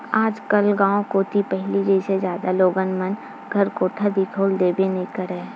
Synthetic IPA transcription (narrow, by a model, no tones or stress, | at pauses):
aːd͡ʒkəlɡãːõkoːt̪ʰipɛɦlid͡ʒeːsed͡ʒjaːd̪aloːɡənmən | ɡʱɐɾkoːt̪ʰəɾb̪ʱit̪ʰoːld̪eːbenĩkəɾɛ̃ː